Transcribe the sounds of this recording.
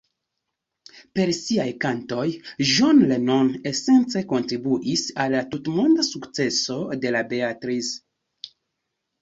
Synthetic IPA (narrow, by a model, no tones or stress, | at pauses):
pe̞ɾsiajkanto̞jʒonleno̞ne̞se̞nt͡se̞ko̞ntɾibuʔisalːatutmondasukt͡se̞so̞de̞labe̞atɾis